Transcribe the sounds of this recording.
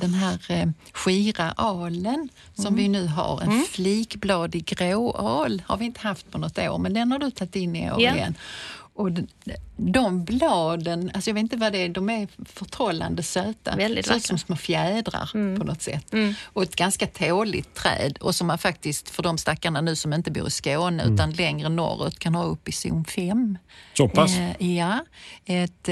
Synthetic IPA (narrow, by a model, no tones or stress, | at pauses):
d̪̥ɛnɦæːɾ | ɧiːɾaʔɑːlən | sɔmvɪnʉ̟ːɦa̰ɾɛ̰nfliːkblɑːd̪ɪɡɾoːɑːlha̰ɾvɪɪnt̪əhaft̪̚pʰɔnɔt̪ːo̰ːɾmɛnd̪ɛnhaɖɵt̪ʰat̪ːɪnːɪo̰ːɾɪjɛ̰nːʔɔ | d̪ɔmblɑːd̪ənalsɔjɑveːt̪t̪əvad̪ɛd̪ɔmɛɾfœʈʰɔlːa̰nd̪əsøːt̪a̰ɛd̪ɪsɔlsɔmsmoːfjæːd̪ɾa̰ɾpʰɔnɔt̪sɛ̰t̪ːʔɔɛt̪ɡanskat̪ʰoːlɪ̰t̪ʰːɾɛ̰ːd̪ɔ̰sɔmːanfak̚t̪ɪskt̪fœɖɔmst̪akːaɳanʉ̟ːsɔmɪnt̪əbṵːɾɪskoːnəʉ̟ːt̪anlɛŋɾənɔ̰ɾːə̰t̪kʰanhɑːɵpːɪsɪ̰nfɛmsɔpasjaɛt̪